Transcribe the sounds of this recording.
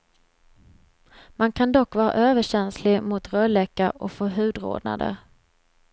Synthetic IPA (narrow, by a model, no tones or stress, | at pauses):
mankʰand̪ɔkːvɑːɾa̰ʔøːvəɕɛnslɪmʊt̪ɾœlɛkːaɾʔɔkfoːɦʉ̟ːd̪ɾo̰ːd̪na̰d̪ə̰